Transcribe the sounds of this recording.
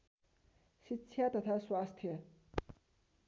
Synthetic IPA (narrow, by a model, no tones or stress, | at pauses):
ɕitt͡ɕʰjat̪at̪ʰaswast̪ʰje